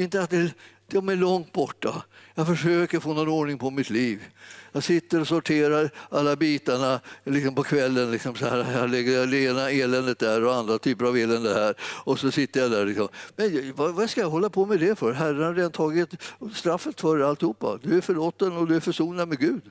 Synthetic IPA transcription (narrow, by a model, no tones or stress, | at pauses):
ɪnt̪əat̪̚d̪ɛd̪̥ɛɔmæɭɔŋt̪̚bɔʈːajɑːfœʂøːkəɾfoːnɔnoːɳɪŋpʰɔmɪt̪liːvjɑːɡsɪt̪ːəɾɔsɔʈʰeːɾaɾalːabiːt̪aɳalɪksɔmpʰɔkʰvɛlːənlɪksɔmsaæːɾajɑlɛɡːəd̪ɛeːnaeːlɛnd̪ət̪̚d̪æɾɔand̪ɾat̪ʰyːpəɾaveːlɛnd̪əhæːɾɔsɔsɪt̪ːəɾjad̪æɾɭɪksɔmmɛnjvavaskajaɦɔlːapʰɔmɛd̪ɛfœɾɦærːənhad̪ɾeːd̪ant̪ʰɑːɡɪt̪st̪ɾafːət̪fœɾalt̪ɪhuːpːa̰d̪ɵæɾfœɭoːt̪ːənɔd̪ɵæɾfœʂuːnad̪mɛɡʉ̟ːd̪